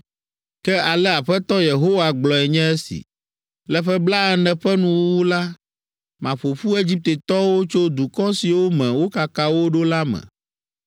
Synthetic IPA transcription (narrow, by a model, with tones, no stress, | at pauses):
kɛ˦a˨lɛ˦a˨ɸɛ˦t̪ɔ˦je˨ɦo˦wa˨ɡ͡blɔ˨ɛ˨ɲɛ̃˦ɛ˦sḭ˨ | lɛ˦ɸɛ˦bla˦ɛ˦nɛ̃˨ɸɛ˦nũ˦wo˦wu˦la˦ | mã˨ɸo˨ɸu˦e˦d͡ʑi˦p̚t̪e˨t̪ɔ˦wo˦t͡ʃo˦d̪u˨kɔ˦si˨wo˦mɛ̃˨wo˦ka˨ka˦wo˦ɖo˦la˦mɛ̰̃˨